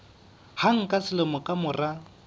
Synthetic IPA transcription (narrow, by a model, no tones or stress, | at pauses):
haŋ̩kʼasɪlomʊkʼamʊra